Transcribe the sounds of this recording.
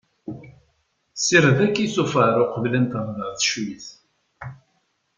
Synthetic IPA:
siɾðækːiθufaɾʊqəvlənt̪əʁðəʁθʃwiθ

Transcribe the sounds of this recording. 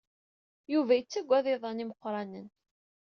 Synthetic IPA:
juvæjət͡sːæɡʷːæðɪðˤɑniməqːɾˤɑnən

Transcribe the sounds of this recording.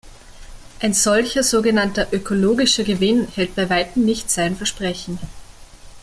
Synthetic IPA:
ʔaɪnz̥ɔlçɐzoːɡənantɐʔøkʰoloːɡɪʃɐɡəvɪnhɛlt̚b̥aɪvaɪtm̩nɪçtz̥aɪnfɛɐʃpʁ̥ɛçn̩

